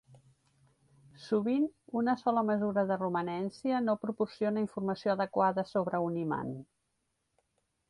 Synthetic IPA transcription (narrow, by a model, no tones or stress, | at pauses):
suβinunəsɔləməzuɾəðərumənɛnsiənopɾupursionəiɱfurməsioəðəkwaðəsoβɾəunima̰n